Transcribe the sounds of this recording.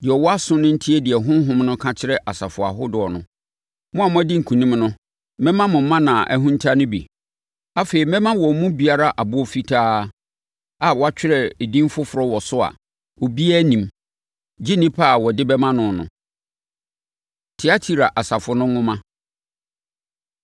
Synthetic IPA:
dɪ˨ɛ˨wɔ˦a˦sʊ̃˦nʊ̃˦n̩˦tʰi˦ɛ˦dɪ˨ɛ˨ɦʊ̃˦ɦʊ̃˦mnʊ̃˦kʰã˦t͡ɕʰɪ˦ɾɛ˦ʔa˨sa˨fʊ˨a̰˨ɦʊ˦dʊ˨ɔ˨nʊ̰̃˨ | mʊ̃˦a˨m˦ã˦dɪ˦ŋ̩˨kʰũ˨nĩ˦mnʊ̃˦ | mɛ̃˦mã˦mʊ̃˨m̩˦mã˦nã˨ʔæ̰˦ɦũ˦n̩˦tʰa˦nʊ̃˦bḭ˨ | a˦fe˨ɾi˨mɛ̃˦mã˦wɔ˨˦mũ˦bi˨a˦ɾa˦ʔa˨bʊ˦ɔ˦fi˦tʰaː˦ | a˨wɔ˨a˦t͡ɕᶣɪ˦ɾɛ˨e˨dĩ˦m˦fʊ˦fʊ˨ɾɔ˦wɔ˨sʊ˦a̰˨ | o˨bi˦æ˦nĩ˨m | d͡ʑi˦nĩ˦pʰa˦˨wɔ˨dɪ˦bɛ˦mã˦nʊ̃˨nʊ̰̃˨ | tʰɪ˨˦a˦tʰi˦ɾa˨ʔa˨sa˨fʊ˨nʊ̃˦ŋʊ̃˦mã˦

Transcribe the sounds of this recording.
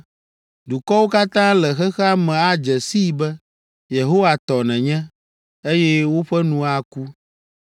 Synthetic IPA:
du˨kɔ˦wo˦ka˦t̪ã˦lɛ˨xɛ˦xɛ˦a˦mɛ̃˨a˦d͡ʒɛ˨si˦˨bɛ˦ | je˨ɦo˦wa˨t̪ɔ˨nɛ̃˨ɲɛ̃˦ | e˦jɛ˦wo˦ɸɛ˦nũ˨a˨ku˦

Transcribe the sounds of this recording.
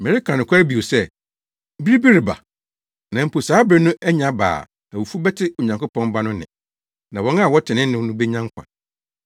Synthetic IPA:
mɪ̃˨ɾɪ˦kʰã˨nɪ̃˨kʷʰa˦ɾbi˨o˨sɛ˦ | bi˦ɾi˦bi˦ɾi˨ba̰˨ | nã˨m̩˦pʰo˨saː˨˦bɾɛ˦nʊ̃˦ʔæ˦ɲã˦ba̰ː˨ | æ˨wu˨fu˦bɛ˦tʰɪ˦o˨ɲã˨ŋkʊ˦pʰɔ̃˦mba˦nʊ̃˦nɪ̰̃˨ | nã˨wɔ̃˦nã˦˨wɔ˦tʰɪ˨nɪ̃˦n˦nɪ̃˦nʊ̃˦be˦ɲã˦ŋ˦kʷʰã̰˨

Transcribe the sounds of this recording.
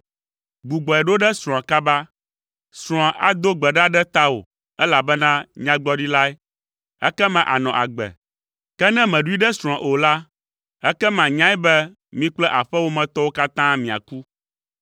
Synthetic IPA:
ɡ͡bu˨ɡ͡bɔ˨ɛ˨ɖo˦ɖɛ˦sɾɔ̃˨ã˨ka˦ba˦ | sɾ̃ɔ̃˨ʔa̰˨d̪o˦ɡ͡bɛ˨ɖa˦ɖɛ˦t̪a˦wo̰˨ | ɛ˦la˨bɛ˦nã˦ɲã˦ɡ͡bɔ˦ɖi˦la˦ɛ˦ | ɛ̰˦kɛ˦mɛ̃˨ʔa̰˨nɔ̃˨ʔa̰˨ɡ͡bɛ̰˨ | kɛ˦nɛ̃˦mɛ̃˨ɖu˦i˦ɖɛ˦sɾ̃ɔ̃˨ʔo˨la˦ | ɛ˦kɛ˦mã˨ɲã˦ɛ˦bɛ˦ | mĩ˦k͡plɛ˦ʔa˨ɸɛ˦wo˦mɛ̃˨t̪ɔ˦wo˦ka˦t̪ã˦mĩ˨a̰˨ku˦

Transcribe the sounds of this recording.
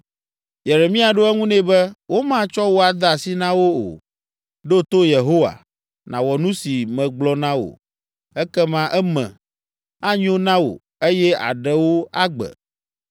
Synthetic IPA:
je˨ɾe˨mĩ˦a˨ɖo˦ɛ˦ŋũ˦nɛ̃˦bɛ˦wo˦mã˦t͡ʃɔ˦wo˦a˨d̪a˨si˦nã˦wo˦o̰˨ | ɖo˦t̪o˦je˨ɦo˦wa̰˨ | nã˨wɔ˨nũ˦si˨mɛ̃˨ɡ͡blɔ˦nã˦wo̰˨ | ɛ˦kɛ˦mã˦ʔɛ˦mɛ̰̃˨ | a˦ɲ˦õ˦nã˦wo̰˨ | e˦jɛ˦a̰˨ɖɛ˨wo˦a˦ɡ͡bɛ̰˨

